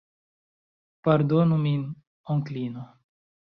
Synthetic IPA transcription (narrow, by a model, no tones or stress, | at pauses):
paɾd̪onumin | oŋklino